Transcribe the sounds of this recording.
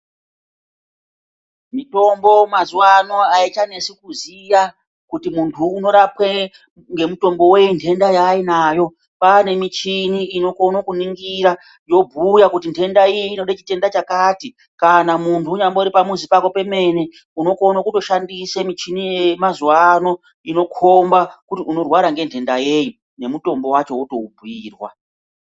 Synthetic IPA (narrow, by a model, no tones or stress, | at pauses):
mito̞mbo̞mazuwano̞ait͡ʃane̞sikuzija | kutimuntʰuːno̞ɾapwe | ŋɡe̞muto̞mbo̞we̞intʰe̞ndajainaːjo̞ | pane̞mit͡ʃiniːno̞ko̞nokuniŋɡiɾa | jo̞bʱujakutintʰe̞ndaijiino̞ɗat͡ʃi̥te̞ndat͡ʃakati | kanamuntʰuːɲamboiɾipamuzipako̞pe̞me̞ne | uno̞ko̞nokuto̞ʃandisemit͡ʃinijemazuwano̞ | ino̞kʰombakutiuno̞rwaɾaŋɡe̞ntʰe̞ndaje̞ju | ne̞muto̞mbo̞wat͡ʃo̞wuto̞ubʱwiːrwa̰